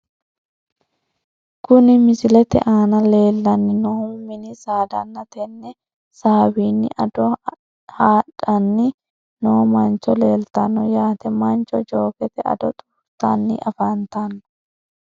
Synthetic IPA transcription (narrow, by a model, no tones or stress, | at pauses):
kʊnɪmɪsɪlɛt̪ɛ̰ʔaːnɐle̞ːlːɐnːɪnɔʊmmːɪnɪsaːd̪ɐnːɐt̪ɛnːɛ | saːwiːnːɪ̰ʔɐd̪ɔ | haːᶑɐnːɪ | noːmɐnt͡ʃːɔleːlt̪ɐnːɔjaːt̪ɛmɐnt͡ʃɔd͡ʒo̞ːkɛt̪ɛɐ̰d̪ɔt̪ʼuft̪ːanːɪ̰ʔɐfant̪anːɔ̥